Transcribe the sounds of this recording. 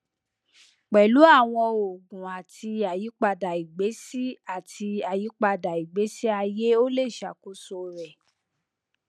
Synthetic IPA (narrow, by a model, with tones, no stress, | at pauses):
k͡pɛ˨lu˨˦a˦˨w̃ɔ̃˧o˨ɡũ˨a˨tʰi˧a˨ji˨˦k͡pa˧da˨i˨ɡ͡be˨˦si˦a˦˨tʰi˧a˨ji˨˦k͡pa˧da˨i˨ɡ͡be˨˦si˦a˧je˦o˦le˦˨ʃa˨ku˦so˧ɾɛ˨